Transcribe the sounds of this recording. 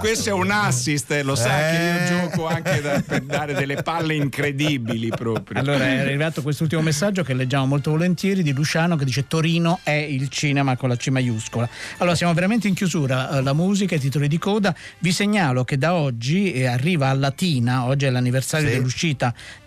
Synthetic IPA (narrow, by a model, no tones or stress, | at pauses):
kkwest̪oɛunasːist̪losakeiod͡ʒɔːkoaŋkeaped̪aːɾed̪elːepalːeiŋkɾed̪ibilipɾɔːpɾjalːoːɾaɛarrːivaːt̪ok̬west̪ult̪imomesːad͡ʒːokelːed͡ʒːaːmomolt̪ovolent̪jɛːɾid̪ilut͡ʃaːnok̬ed̪it͡ʃet̪oɾiːnoɛilt͡ʃiːnemakonlat͡ʃimajuskolaaloːɾasjaːmoveɾament̪̬eiŋkjuzuːɾalamuːzikait̪̬it̪̬olid̪ikɔːd̪aviseɲːaːloked̪aɔd͡ʒːiarːiːvaːlːat̪iːnaɔd͡ʒːiɛlanːiversaːɾjod̪elːuʃiːt̪a